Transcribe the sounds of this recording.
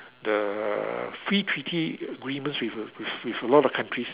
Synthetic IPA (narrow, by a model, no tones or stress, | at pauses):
də | fɹitʰɹitʰiəɡɹĩmə̃nswifwifwifəlɔtɔfkʰãntʰɹis